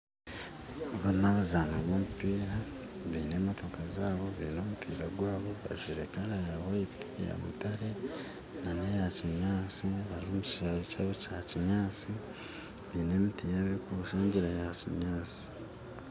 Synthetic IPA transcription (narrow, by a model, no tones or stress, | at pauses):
βaɾinaβazaːnaβomupiːɾa | βiːne̞motokazaːβo̞βḭːnomupiːɾaɡwaːβo̞βa̰ʒiɾekaɾajaβoitʰija̰mṵtaɾe̞ | nanejaciɲaːt͡siβaɾiomuciaicaːβocaciɲaːt͡si | βiːnemitijaβikuβuʃaːɲɟiɾajaciɲaːt͡si̥